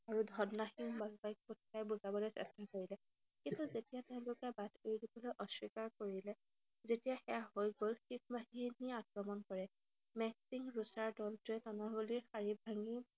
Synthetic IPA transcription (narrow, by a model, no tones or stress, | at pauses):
aɹudʱɔdnaxinbalbajk̚put̚ʰkajbuzabɔlojsɛ̰stakoɹilɛ | kintuzetijateʊ̃lʊkɛbatʰejdibɔlojʔɔswikaɹkoɹilɛ | zetijaxɛjaɦojɡolxikmaɦiniakɹɔmɔnkɔɹɛ | mɛksiŋɹusaɹdɔltʊɛtɔnɔɡoliɹxaɹibʱaŋi